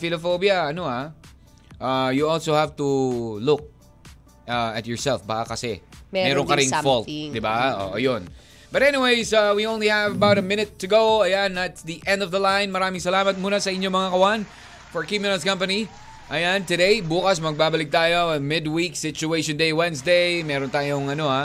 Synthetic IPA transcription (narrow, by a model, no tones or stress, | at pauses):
fɪlɐfowbjɐɐnoa | ʔajuɔlsowhavt̪ulʊk̚ | ʔaɐt̪̚jɔɹsɛlfbaːkɐkɐsɛ̰ɛmɛːɾoŋkɐɾɪ̃ŋfɔlt̪̚d̪ɪbao̰ʔɐ̰jon | bɐt̪ɛnɪweɪsawiõw̃nlihævɐbawɾɐmɪ̃nɪt̪ːɨɡowɐjanɐt̪sðiʔɛ̃nd̪ɔvðɐlãjnmɐɾaːmɪŋsɐlaːmɐt̪̚muːnɐsɐʔɪɲːomɐŋakɐwan | fɔɹkɹimɪnɐlskɐ̃mpɐni | ʔɐjant̪ɛd̪ejbuːkɐsmɐɡ̚baːbɐlɪk̚t̪aːjoɐmɪd̪wiksɪt͡ʃʊejʃõnd̪ejwɛ̃nsd̪ejmɛːɾont̪aːjoŋɐno̞ha